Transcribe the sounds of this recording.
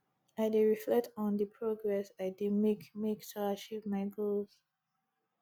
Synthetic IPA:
aɪdeɹiflɛk̚tɔ̃ndəpʰɹoɡɹɛsaɪdimekmektʰuat͡ʃivmaɪɡoz

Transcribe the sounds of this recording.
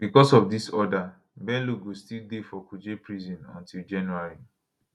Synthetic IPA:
bikɔsɔfdisɔda | bɛ̃nluɡostildefɔkud͡ʒepɹizɔ̃nɔ̰̃ntʰild͡ʒãnuaɹi

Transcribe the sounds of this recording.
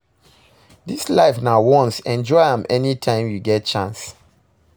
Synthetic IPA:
dislaɪfnaʊwɔ̃nsɛ̃nd͡ʒɔɪãmɛnitʰãɪ̃mjuɡɛt̚t͡ʃãns

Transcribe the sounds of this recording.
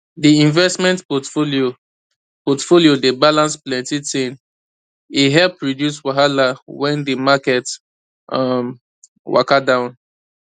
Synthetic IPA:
diĩnvɛstmɛ̃ntpɔtfolio | pɔtfoliodebalãnsplɛ̃ntitẽn | iɦɛlpɹɔdjus̬waɦalawɛ̃ndimakɛt | ʔam | wa̰kadãʊ̃n

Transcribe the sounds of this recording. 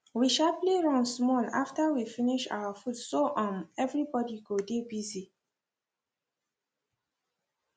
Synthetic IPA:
wiʃalpleɹãnsmɔlaftəwifiniʃa̰wəfutsoʔãmɛvɹibɔdiɡodebizi

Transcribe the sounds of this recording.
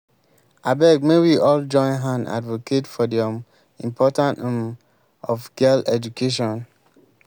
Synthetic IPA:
abɛɡ̚mewiʔɔld͡ʒɔ̃ɪ̃nɦãna̰dvoketfɔdiɔm | ĩmpʰɔtãntũm | ɔfɡ̥ɛlɛd͡ʒukʰeʃ̬ɔ̃n

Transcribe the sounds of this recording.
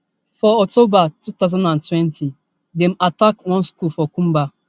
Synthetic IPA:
fɔɔk̚tobatut̪azãnãntʰwɛ̃ntʰi | dɛ̃matakwɔ̃nskulfɔkũmba

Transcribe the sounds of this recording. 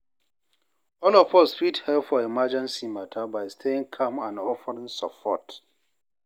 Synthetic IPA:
ɔlɔfɔsfithɛlpfɔimad͡ʒɛ̃nsimatʰabaɪstʰeɪ̃ŋkʰãmãnɔfəɹĩŋsəpʰɔ̰t

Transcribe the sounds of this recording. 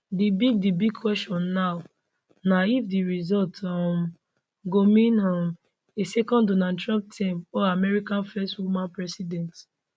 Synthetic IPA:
dibiɡ̚dibiɡ̚kʰwɛstɔ̃nːaʊ | naifdiɹizɔltɔm | ɡomĩnɔm | esɛkɔ̃ndonatɹɔ̃mp̚tʰĩmɔamɛɹikãnfɛstwumãnpɹɛsidɛ̃nt

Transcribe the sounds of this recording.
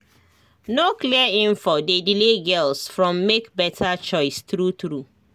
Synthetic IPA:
nokliəĩmfɔdedileɡɛlsfɹɔ̃mːekbɛtʰat͡ʃɔɪstɹutɹu

